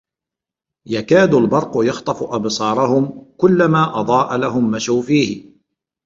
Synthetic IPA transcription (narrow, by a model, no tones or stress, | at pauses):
jakaːd̪albɑɾˤqʊjɑxt̪ˤɑfʊʔɑbsˤɑːɾˤɑhʊmkʊlːamaːʔɑd̪ˤɑːʔalaɦʊmːaʃawfiːhɪ